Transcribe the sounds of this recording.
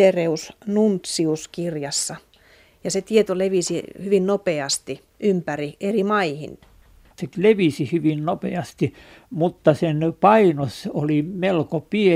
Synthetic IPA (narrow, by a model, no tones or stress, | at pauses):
ereusnunt̪siuskirjɑsːɑ | jɑset̪iet̪oleʋisihyʋinnopeɑst̪i | ʔympæriʔerimɑihḭn | seleʋisihyʋinnopeɑst̪i | mut̪ːɑsenpɑinosolimelkopie